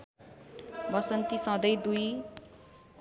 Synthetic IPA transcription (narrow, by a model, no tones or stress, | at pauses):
bʌsʌnt̪isʌ̃d̪ʌjd̪uj